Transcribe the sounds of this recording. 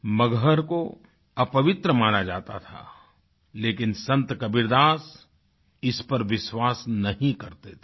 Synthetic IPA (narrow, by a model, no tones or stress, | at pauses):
mɐɡʱəɾko | ɐpɐʋɪt̪ɾəmaːɽ̃ad͡ʒaːt̪a̰t̪ʰa̰ː | leːkɪnsɐ̃nt̪kɐbɪɾd̪aːs | ɪspɐɾʋɪswaːsnɐɦĩkɐɾt̪et̪ʰe̥